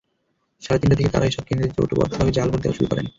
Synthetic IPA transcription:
ʃaɾat̪inʈːat̪ʰeket̪a̰ɾaeʃɔb̚kend̪ɾed͡ʑo̰ʈobɔ̰d̪ʰʱababed͡ʑalboɾd̪ewa̰ʃubipaɾḛn

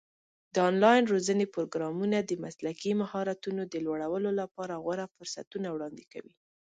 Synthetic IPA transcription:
d̪̥əɑnlɑjɪnɾozənepoɾoɡɾɑmunad̪əmaslakimahɑɾat̪unod̪əlwaɽawəlolapɑɾaɣwaɾafʊɾsa̰t̪unawɽɑnd̪eka̰wḭ

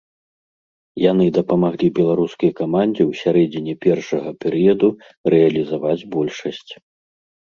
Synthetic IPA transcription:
jan̪ɨd̪ɐpɐmaɣlʲibʲɛlˠaɾuskɐjɐkamanʲd͡zʲiwsʲaɾɛd͡zʲinʲɛpʲɛrʂɐɣɐpʲɛɾɨjɐd̪u | rɛɐlʲizavad͡zʲbɔlʲʂɐsʲt͡sʲ

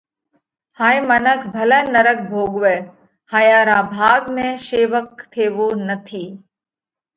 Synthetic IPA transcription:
haːĩmənəkʰbʱəlɛːnəɾək̚bʱoːɡʋe | hajaːɾãːbʱaːɡmẽʃeːʋək̚t̪ʰeːʋoːnət̪ʰiː

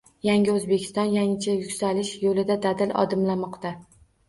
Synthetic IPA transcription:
jaŋʲɪɵzbe̞kʲʰɪ̥st̪ɒnjaŋɪt͡ʃʰajʊkʲsalɪʃjolɪd̪ad̪ad̪ɪlʔɒ̰d̪ɪmlamɒqt̪a

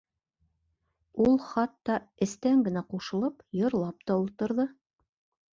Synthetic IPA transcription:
ulˠχɑt̪ːɑɘ̆st̪æŋɡɘ̆n̪æquʃɤ̆lˠɤpjŏɾlˠɑp̚t̪ɑulˠt̪ŏɾðɤ

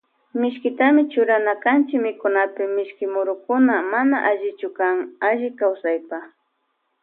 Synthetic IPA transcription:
mɪʃkɪt̪amɪt͡ʃʊɾanakant͡ʃɪkmɪkʊnapɪmɪʃkɪmʊɾʊkʊnamanaʔaʒɪt͡ʃʊkaŋaʒɪkawsajpa

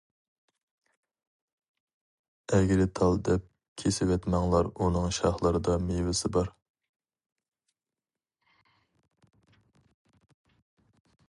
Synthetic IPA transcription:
ɛɡʲɪɾɪt̪ʰɑlˠd̪ɛp̚ | kʲʰesɪwɛt̪mɛŋlˠɑɾunɨŋʃɑ̰χlˠɨɾɨd̪ɑmewɪsɪbɑɾ

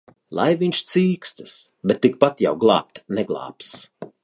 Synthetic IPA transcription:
lˠa̰jviɲʲʃt̪siːkst̪ɨ̥s | bɛt̪ːik̚pat̪ja̰wɡlˠɑ̰ːp̚t̪nɛɡlˠɑ̰ːps

